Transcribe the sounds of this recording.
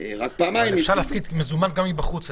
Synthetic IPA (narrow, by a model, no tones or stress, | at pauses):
ʁak̚paːmaimʃaʁlːfkid̪mezumanɡamibaχut͡s